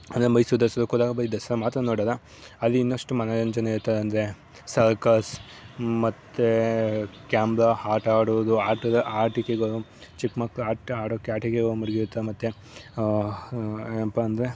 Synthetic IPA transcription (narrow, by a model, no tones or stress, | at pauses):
ɐnd̪ɐɾemɐjisud̪ɐsɐd̪ukud̪aːɡɐbɐɾid̪ɐsɐɾɐmaːt̪ɾɐnoːɽad̪ɐ | ɐlːiːnːoʂʈumɐnajɐɲd͡ʒɐnɐiɾut̪ːɐd̪eɐnd̪ɐɾe̞ | sɐɾkɐs | mɐt̪ːe | kaːmbɾahaːɾʈaːɽod̪uaːɾʈɐd̪ɐʔaːɾʈikeɡɐɭut͡ʃikmaklaːʈaːɽokːaːʈikeɡɐɭumɐɽɡiɾut̪ːɐemɐt̪ːe | empɐɐnd̪ɐɾe